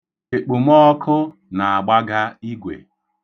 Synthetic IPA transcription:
e˨k͡pu˨m˦ɔ˦kʰʊ˦ | na˨a˨ɡ͡ba˦ɡa˦i˦ɡʷḛ˨

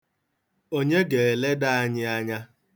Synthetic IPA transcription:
o˦ɲe˦ɡe˨e˨le˦da˦a˦ɲɪ˦a˦ɲa˦

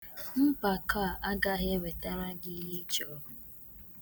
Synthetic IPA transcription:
m̩˦pa˨ka˦a˨ʔa˦ɡa˦ɦe˦we˨ta˦ɾa˦ɡi˦ɦi˦t͡ʃɔ˨˦ɦʊ˨

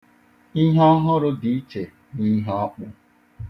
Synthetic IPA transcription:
i˦ɦɔ˦ɦʊ˦ɾʊ˦di˨˦t͡ʃe˨ | ni˦ɦɔ˦k͡pʊ˦

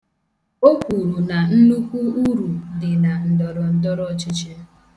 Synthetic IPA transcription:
o˦kʷu˨ɾu˨na˨n̩˦nu˦kʷu˦u˦ɾu˨dɪ˨na˨n̩˨dɔ˨ɾɔ˨n̩˦dɔ˦ɾɔ˦˨˦t͡ʃɪ˦t͡ʃi˦

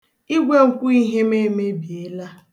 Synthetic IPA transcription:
i˦ɡʷe˦ŋ̩˨kʷu˦i˦ɦe˦me˦˨me˦bi˨e˦la˦

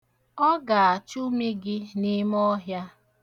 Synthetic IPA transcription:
ɔ˦ɡa˨a˨t͡ʃu˦me˦ɡɪ˦nɪ˦m˦ɔ˦ɦja˦

